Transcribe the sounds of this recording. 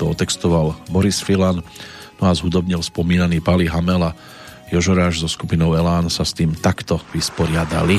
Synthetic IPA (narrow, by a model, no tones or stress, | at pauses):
t̪ɔɔt̪ɛkst̪ɔʋalbɔɾisfilan | nɔazɦud̪ɔbɲɛlspɔmiːnaniːpaliɦamɛla | jɔʒɔɾaːʒzɔskupinɔʊɛlaːnsast̪iːmt̪akt̪ɔʋispɔɾɪad̪a̰li